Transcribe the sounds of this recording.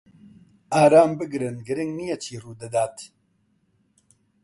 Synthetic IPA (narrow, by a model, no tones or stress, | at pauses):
aːɾaːmbɨɡɾɨnɡɨɾɪŋɡnijet͡ʃʰiːruːd̪ɨd̪aːt̪